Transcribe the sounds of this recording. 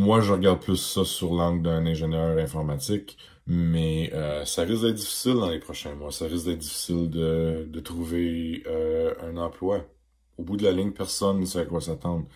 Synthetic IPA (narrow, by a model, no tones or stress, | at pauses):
mwaʒəʁəɡaʁd̪̚pʰlʏsːʌsyʁlɑ̃ɡld̪ɛ̃nɛ̃ʒɛnœːʁɛ̃fɔʁmat̪t͡s̪ɪk | mɛøsaʁɪsɡd̪ɛt̪̚d̪ifi̥sɪld̪ɑ̃lepʁɔʃɛ̃mwasaʁɪsk̚d̪ɛːt̪̚d̪ifi̥sɪld̪əd̪ət̪ʁuveøœ̃nɑ̃pʰlwa | obud̪əlalɪŋəpɛʁsɔnsaakwasat̪ɑ̃d̪